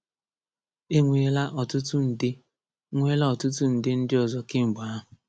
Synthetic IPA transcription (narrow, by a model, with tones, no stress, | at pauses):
e˦ŋʷe˨e˦la˦ʔɔ˨tʊ˦tʊ˦n̩˨dɪ˦ | ŋʷ˦e˦la˦ɔ˨tʊ˦tʊ˦n̩˨dɪ˦n̩˦dɪ˦ɔ˨zɔ˨kɪ˦ŋ͡m̩˨ɡ͡ba˨a˦ɦʊ˨